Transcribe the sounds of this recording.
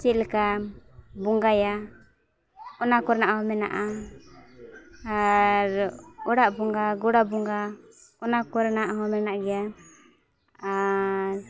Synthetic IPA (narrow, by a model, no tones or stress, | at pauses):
t͡ʃit̪̚lɛka | buŋɡaja | ɔnakɔɾɛnaʔhɔmɛna̰ʔa | aɾɔɽaʔbɔŋɡaɡɔɽabuŋɡa | ɔnakɔɾɛnaʔɦɔmɛnaʔɡɛja | aɾ